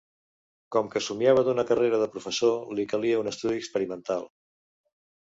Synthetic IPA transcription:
kɔmkəsumiaβəd̪unəkəreɾəðəpɾufəsolikəliəunəst̪uðiəkspəɾimənt̪alˠ

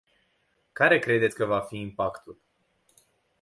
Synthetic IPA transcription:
kaɾe̞kɾe̞d̪et̪sʲkəvafiːmpakt̪ul

